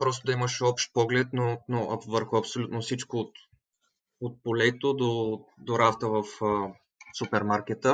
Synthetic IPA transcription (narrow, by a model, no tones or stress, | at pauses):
pɾɔst̪od̪ɐiməʃɔpʃt̪̚pɔɡlɛt̪nonoʔɐvəɾxʊɐpsolʲut̪nofsit͡ʃkoːt̪ | ot̪̚polɛt̪od̪od̪oɾaft̪əvəfə | supɛɾmaɾk̟ɛt̪ə